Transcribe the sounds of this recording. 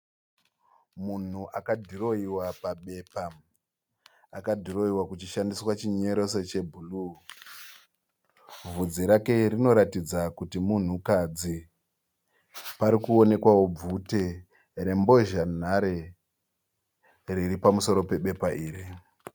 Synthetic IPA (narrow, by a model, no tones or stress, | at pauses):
mun̤uʔakadʱiro̞iwapaɓe̞pa | akadʱiro̞iwakut͡ʃiʃandiswat͡ʃiɲe̞ɾo̞se̞t͡ʃe̞bʱulu | vud͡ziɾake̞rino̞ɾatid͡zakutimun̤ukad͡zi | paɾikuone̞kwawo̞b͡vute | ɾe̞mbo̞ʒan̤aɾe̞ | riripamuso̞ɾo̞pe̞ɓe̞paʔiːri